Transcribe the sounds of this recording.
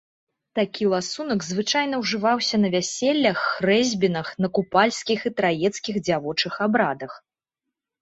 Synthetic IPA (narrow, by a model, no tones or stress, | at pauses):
t̪akʲilˠasunɐɡzvɨt͡ʂajn̪ɐwʐɨvawsʲɐnɐvʲasʲɛlʲːɐxːrɛzʲbʲinɐxnɐkupalʲsʲkʲixit̪ɾajɛt̪skʲiɣd͡zʲavɔt͡ʂɨxabɾad̪ɐx